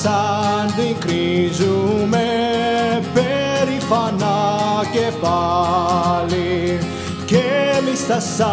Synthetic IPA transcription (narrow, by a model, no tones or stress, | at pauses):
sand̪uĩkɾizume | peɾifanakepa | li | kemist̪asa